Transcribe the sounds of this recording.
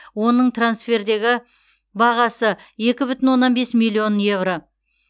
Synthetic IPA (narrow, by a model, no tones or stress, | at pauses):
wo̞nəɴt̪ransfʲe̞ɾd̪e̞ɡʲɪ | bɑʁɑsəe̞kʲɪbʏt̪ɪnwo̞nːɑnbe̞smilʲːio̞nje̞vro̞